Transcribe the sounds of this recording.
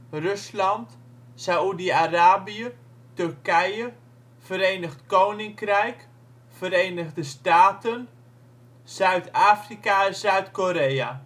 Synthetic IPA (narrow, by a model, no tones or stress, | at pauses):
røslɑnt | saudiaraːbiə | tɵrkɛjə | fəɾejnəχtkownɪŋkrɛjk | fəɾejnəɣdəstaːtən | z̥œɥtaːfrikaɛzœɥtkoɾeja